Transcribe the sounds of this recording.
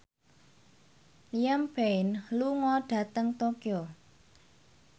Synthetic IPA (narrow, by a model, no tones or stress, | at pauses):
lijambeɪnluŋɔɖ̥ä̤t̪əŋt̪okjɔ